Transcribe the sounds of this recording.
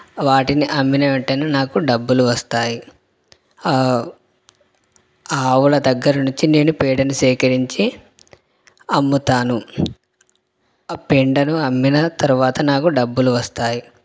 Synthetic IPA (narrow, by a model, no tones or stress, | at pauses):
ʋaːʈiniʔɐmːinɐʋeɳʈɐjnanaːkuɖɐbːuluʋɐst̪aːji | aːʋulɐd̪ɐɡːɐɾɐnuɲt͡ʃine̞ːnupɛːɽɐnusɛːkɐɾiɲt͡ʃi | ɐmːut̪aːnu | peɳɖɐnuɐmːinɐt̪ɐɾuʋaːt̪ɐnaːkuɖɐbːuluʋɐst̪aːji